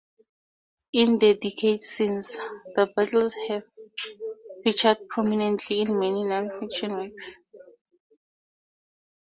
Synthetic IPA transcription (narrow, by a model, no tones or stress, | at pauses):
ĩndədikʰedsĩnsdəbatʰlshɛv | fit͡ʃʰad̚pʰɹɔminɛ̃ntʰlĩːnmɛninãnfɛkʃɔ̃nwiks